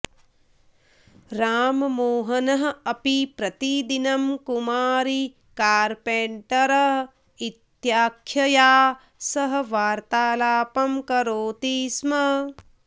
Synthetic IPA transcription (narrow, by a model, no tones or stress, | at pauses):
ɾaːmɐmoːɦɐnɐɦɐɐpipɾɐt̪id̪inɐmkumaːɾi | kaːɾpeɳʈɐɾɐɦ | it̪jaːkʰjɐjaː | sɐɦɐ̆ʋaːɾt̪aːlaːpɐmkɐɾoːt̪iːsmɐ